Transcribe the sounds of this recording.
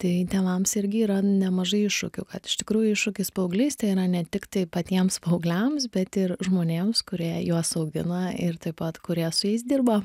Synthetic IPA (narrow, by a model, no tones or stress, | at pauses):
t̪ɐɪtʲɛnɐmsɪɾʲɡʲɪiːɾɐnʲɛmɐʒɐɪɪʃʃʊkʲʊkɐt̪ɪ̥ʃʲt̪ʲɪkɾuːjʊɪʃʊkʲɪspɐʊɡlʲɛɪst̪ɐɪiɾɐnʲɛt̪ʲɪkt̪ɐɪpɐt̪ʲiɛmspɐʊɡlʲɛmsbʲɛt̪ɪɾʒmoːnʲeːmskʊɾʲiɛjuɔsɐʊɡʲɪnɐɪɾt̪ɐɪpɐt̪kʊɾʲiɛsʊjɛɪsd̪ʲɪrbɐ